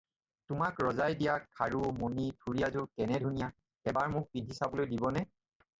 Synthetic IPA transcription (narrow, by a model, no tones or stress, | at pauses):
tʊmakɹɔzajdijakʰaɹumonitʰuɹijazuɹkɛnɛdʱunija | ɛbaɹmʊk̚pidʱisabɔlojdibɔnɛ